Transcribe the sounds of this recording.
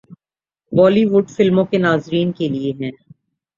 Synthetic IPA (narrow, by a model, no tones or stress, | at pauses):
bɔːliʋʊɖfɪlmõkenaːzɾiːnkelieɦɛ̃ː